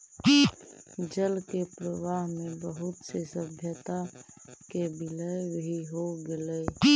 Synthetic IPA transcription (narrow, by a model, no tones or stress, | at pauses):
d͡ʒəlkepɾəwaːɦmẽbəɦʊt̪sesəbʱjət̪a | kebɪləjbʱiɦoɡɪle